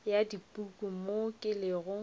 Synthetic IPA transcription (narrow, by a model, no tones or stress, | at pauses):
jadipʼukʼumokʼɪlɪɣʊ